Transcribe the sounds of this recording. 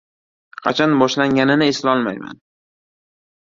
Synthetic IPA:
qʰɑ̰t͡ʃʰanbɒʃlaŋɡʲanɪnɪɪslaɒlˠmajma̰n

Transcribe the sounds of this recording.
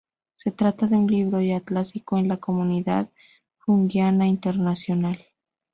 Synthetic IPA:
se̞t̪ɾat̪aðe̞unliβɾo̞jat̪lasikoenlako̞muniða̰ð | xuŋɡjanaint̪e̞ɾnasjo̞nal

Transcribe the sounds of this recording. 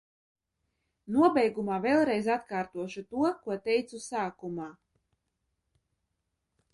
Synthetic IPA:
nuɔbɛjɡumaːvɛlˠɾɛjzat̪kaːɾt̪uɔʃut̪uɔkuɔt̪ɛjt̪susaːkumaː

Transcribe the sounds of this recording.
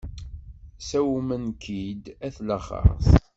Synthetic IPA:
sæwmənkʰid̪æθləχə̰θ

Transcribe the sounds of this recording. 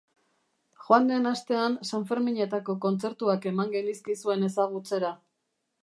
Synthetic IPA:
xoand̪enast̪e̞ansaɱfe̞ɾmiɲe̞t̪ako̞ko̞nt͡se̞ɾt̪uake̞maŋɡe̞liskisue̞ne̞saɣ̞ut͡se̞ɾa

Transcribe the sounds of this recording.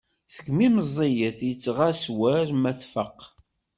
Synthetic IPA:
sə̥ɡmiməzˤːijəθjət͡sːʁaswæɾmæθfəqː

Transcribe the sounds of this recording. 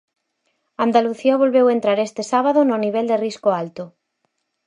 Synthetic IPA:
and̪aluθiaβolβewent̪ɾaɾest̪esaβ̞aðononiβɛld̪eriskoalt̪ʊ

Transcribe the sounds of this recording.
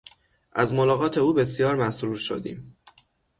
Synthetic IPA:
ʔæzmolɒːɣɒːt̪ʰe̞uːbe̞s̬jɒːɾmæsɾuːɾʃo̰d̪ḭːm

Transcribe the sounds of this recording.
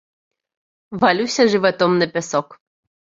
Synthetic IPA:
valʲusʲɐʐɨvat̪ɔmnɨpʲɛsɔk

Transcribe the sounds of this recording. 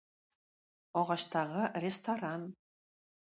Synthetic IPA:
ɔʁɑʃt̪ɑʁɤrʲest̪aɾan

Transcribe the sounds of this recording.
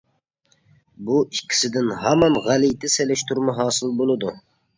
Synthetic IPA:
buikʲʰːɪ̥sɪd̪ɪnɦɑmɑmʁælijt̪ʰɪselɪʃt̪ʰuɾmɑɦɑːsɨlˠbolˠɨd̪u

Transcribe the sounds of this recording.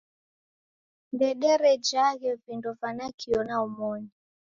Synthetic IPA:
ndɛɗɛɾɛd͡ʒaɣɛvindɔvanakʰiɔnaumɔni

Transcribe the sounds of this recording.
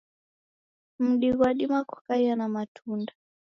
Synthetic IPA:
m̩ɗiɣwaɗimaku̥kaianamatʰunda

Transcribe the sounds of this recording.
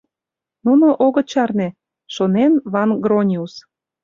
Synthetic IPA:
nunoʔoɣɤ̆t͡ɕɑrnĕ | ʃonenβɑnɡronʲius

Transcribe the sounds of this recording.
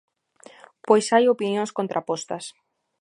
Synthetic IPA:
pojsajopinjõŋskont̪ɾʔapɔst̪ɐs

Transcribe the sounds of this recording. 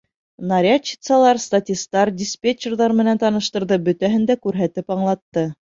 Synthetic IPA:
nɐɾʲat͡ɕːi̥t̪sɑlˠɑɾst̪atʲist̪ɑɾdʲɪspʲet͡ɕːɪrðɑɾmɘ̆nænt̪ɑnɤ̆ʃt̪ɤ̆ɾðɤbɵ̆t̪æɦɘnd̪ækʉɾɦæt̪ɘpɑɴlˠɑt̪ːɤ

